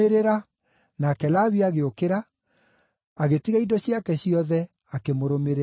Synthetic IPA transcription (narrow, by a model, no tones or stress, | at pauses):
eɾeɾa | naːkɛlaːβiaɣeokeɾa | ɣetiɣaidɔɕjakɛɕiɔðɛ | akemoɾomeɾe